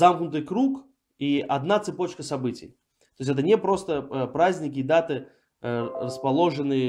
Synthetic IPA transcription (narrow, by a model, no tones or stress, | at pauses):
zamknʊt̪̬ɨjkɾuk | iʔɐd̪nat̪sɨpot͡ɕkəsɐbɨtʲɪ̰j | t̪os̬ʲɛt̪̬ənʲɛpɾost̪əpɾazʲnʲɪkʲiːd̪at̪ɨ | rəspɐlˠoʐɨnɨjə